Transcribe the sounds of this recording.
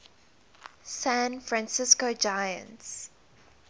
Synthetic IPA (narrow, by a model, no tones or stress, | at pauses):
sæ̃nfɹãnsɪskod͡ʒajə̰̃nts